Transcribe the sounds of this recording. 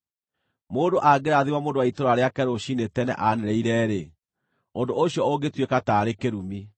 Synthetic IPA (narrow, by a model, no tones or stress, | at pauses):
moːndoʔaɡeɾaðiwamoːndowaitoɾaɾeakɛɾoɕinetɛnɛ̰ʔaneɾɛiɾɛɾe | ondooɕijɔoɡetwekataɾekeɾumi